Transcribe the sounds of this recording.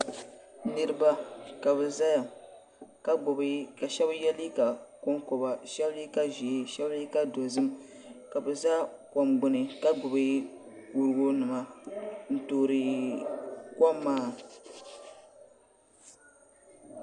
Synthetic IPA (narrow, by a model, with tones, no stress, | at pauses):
nɨ˦ɾɨ˦ba˦ka˨bɛ˨za˦ja˨ | ka˦ɡ͡bʊ˨bka˨ʃɛ˦bjɛ˦li˦ka˨kɔ˦ŋkɔ˨ba˨ʃɛ˦bli˦ka˦ʒi˨e˦ʃɛ˦bli˦ka˦do˨zɨ˦m | ka˨bɛ˨za˦ | ka˨mɡ͡bʊ˦nɨ˨ka˦ɡ͡bʊ˨bɪ˦ | ku˨ɾɨ˦ɡo˦nɨ˨ma˨n̩˨toː˨ɾɨ˨ | ka˦mːaː˦